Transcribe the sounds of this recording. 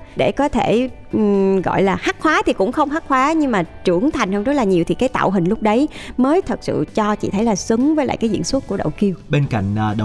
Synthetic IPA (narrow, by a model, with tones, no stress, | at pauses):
ɗe˧˩kɔ˨˦t̪ʰe˧˩˨ | ɣɔ̰˧˨jlaː˨˩xaː˦˥k̚xwaː˨˦t̪ʰi˨˩kʊ̰˧˥ŋ͡mxə˧wŋ͡mhaː˦˥k̚xwaː˨˦ɲɨ˧ŋmaː˨˩t͡ɕɨ˧˩əŋt̪ʰa˨˩jŋ̟hə˧ŋzə˦˥t̚laː˨˩ɲi˨˩əwt̪ʰi˨˩kaː˨˦jt̪a̰ː˧˨wɦï˨˩ŋ̟lʊ˦˥k͡p̚ɗə˨˦jməː˨˦jt̪ʰə˨˩k̚sɨ̰˧˨t͡ɕɔ˧t͡ɕḭ˧˨t̪ʰə˨˦jlaː˨˩sɨ˨˦ŋvəː˨˦jla̰ː˧˨jkaː˨˦zḭ˧˨ənswə˦˥t̚ku˧˩əɗə̰˧˨wki˧əwɓe˧nka̰˧˨jŋ̟ː˨ɗə˨